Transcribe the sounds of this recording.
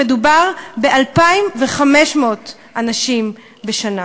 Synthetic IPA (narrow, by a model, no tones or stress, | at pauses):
edubaʁbe̞ʔalpaimveχameʃmoot | ʔanaʃim | beʃana